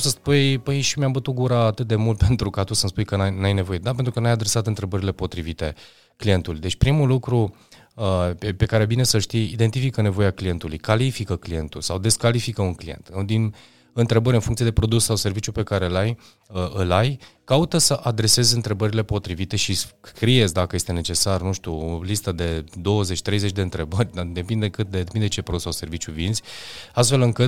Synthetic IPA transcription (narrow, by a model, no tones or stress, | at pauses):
səspujpəjʃimjambət̪ut̪̚ɡuɾaːt̪ɨt̪̚d̪e̞mult̪̚pe̞nt̪ɾukat̪usənspujkənajnajne̞vo̞je̞d̪apent̪ɾukənajad̪ɾe̞sat̪ɨnt̪ɾe̞bəɾile̞po̞t̪ɾivit̪e̞̰ | klije̞nt̪ulujd̪e̞t͡ʃʲpɾimulukɾu | əepe̞kaɾebine̞səʃt̪ijid̪e̞nt̪ifikəne̞vo̞jaklije̞nt̪ulṵjkalifikəklije̞̰nt̪ṵlsawd̪e̞skalifikəunklije̞̰nt̪ɨd̪in | ɨnt̪ɾe̞bəɾʲɨnfuŋt̪iee̞pɾo̞d̪ussawse̞rvit͡ʃjupe̞kaɾe̞laj | əɨlajkaut̪əsəʔad̪ɾe̞se̞zɨnt̪ɾe̞bəɾile̞po̞t̪ɾivit̪e̞ʃisskɾijezd̪akəje̞st̪e̞net͡ʃe̞sarnuʃt̪uolist̪əd̪e̞d̪o̞wəze̞t͡ʃʲt̪ɾe̞jzet͡ʃʲd̪eɨnt̪ɾe̞bərʲd̪ad̪e̞pind̪ekɨt̪̚d̪ed̪epind̪et͡ʃe̞pɾo̞d̪usawse̞rvit͡ʃjuvinzʲast̪fe̞lɨŋkɨt̪